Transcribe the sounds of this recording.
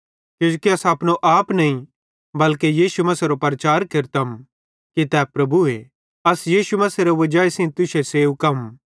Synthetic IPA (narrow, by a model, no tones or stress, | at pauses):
kjõd͡ʒukiɐsapnoʔaːpnɐĩ | bɐlkejiːʃumɐseɾopɐɾɐt͡ʃaːɾkɪɾt̪ɐm | kit̪ɛːpɾɐbue | ɐsjiːʃumɐseɾeʋɐd͡ʒaːesĩːt̪ʊseseːukɐm